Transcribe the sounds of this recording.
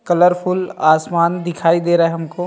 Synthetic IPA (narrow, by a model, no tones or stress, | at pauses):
kɐləɾpʰʊlaːsmaːnd̪ɪkʰaːid̪eːɾaɦɛɦɐmkoː